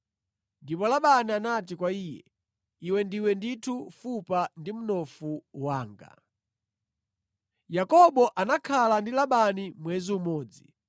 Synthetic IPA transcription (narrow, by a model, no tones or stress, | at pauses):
ndipɔlaɓanianat̬ikwaiːjɛ̰ | iwɛndiwɛnditʰufupandim̩nɔfuwaːŋɡa̰ | jakɔɓɔʔanakʰalandilaɓanimwɛziumɔːd͡zi